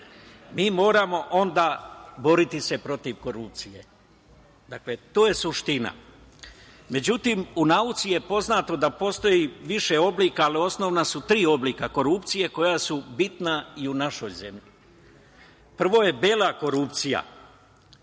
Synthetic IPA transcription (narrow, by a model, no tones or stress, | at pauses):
miːmo̞ːɾamo̞ʔo̞nd̪abo̞ɾit̪ise̞pɾo̞t̪iʋko̞ɾup̚t̪sije̞̰ | d̪akle̞t̪oːje̞suʃt̪ina̰ | me̞d͡ʑut̪imunaut̪sije̞po̞znaːt̪o̞d̪apo̞st̪o̞jiʋiʃe̞o̞bliːkaːlio̞sno̞ʋnasut̪ɾiːo̞bliːkako̞ɾupt̪sije̞ko̞jasubit̪naiunaʃo̞jze̞mʎi | pr̩ʋo̞je̞belako̞ɾupt̪sija̰